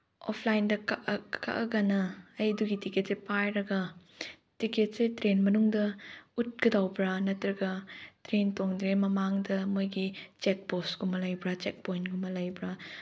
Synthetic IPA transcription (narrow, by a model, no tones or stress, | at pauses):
o̰pʰlajindɐkaʔka̰ʔɐɡɐnɐːjduɡitiket̚sepajɾɐɡɐ | tiket̚setɾenmɐnuŋdɐut̚ɡ̥ɐdawbɾanɐtɾɐɡɐtɾentoŋdɾemɐmaŋdɐmojɡit͡ʃek̚bosɡumɐlɐjbɾat͡ʃek̚pojnɡumɐlɐjbɾa